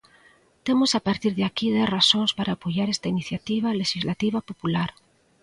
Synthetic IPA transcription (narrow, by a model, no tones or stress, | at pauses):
t̪emosapaɾt̪iɾðeakiðerasoŋspaɾaːpoʝaɾest̪ainiθjat̪iβ̞aleʃizlat̪iβ̞apopulaɾ